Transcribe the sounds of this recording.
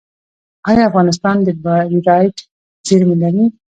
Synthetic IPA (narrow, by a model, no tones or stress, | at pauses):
ɑjɑafɣɑnɪs̬t̪ɑnd̪əbaɾiɾɑjʈ | zeɾmilaɾi